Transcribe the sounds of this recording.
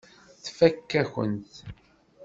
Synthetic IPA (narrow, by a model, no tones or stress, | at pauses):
θfækːæçə̰nt̪